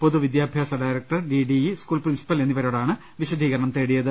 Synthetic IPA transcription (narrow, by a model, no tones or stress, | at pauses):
po̞ðuʋid̪jaːbʱjaːsɐɖaːjɾɐk̚ʈɐrɖiːɖijiskuːɭprinsi̥pɐle̞nːiʋɐɾo̞ːɽaːɳɨ | ʋiɕɐd̪ʱiːɣɐɾɐɳɐmt̪eːɽijɐðɨ